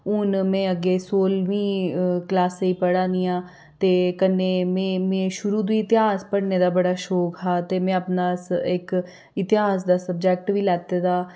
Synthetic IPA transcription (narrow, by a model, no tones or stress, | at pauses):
ʊnmɛ̃ːəɡeːsoːlʋĩːklaːseiːpəɽãːnijãː | t̪eːkənːẽːmẽːmẽːʃʊɾuːd̪iːɪt̪ɪɦaːspəɽneːd̪aːbəɽaːʃoːkɦaːt̪eːmɛ̃ːəpnaːɪk | ɪt̪ɪɦaːsd̪aːsəb̚d͡ʒɛːk̚ʈʋiːlɛːt̪eːd̪aː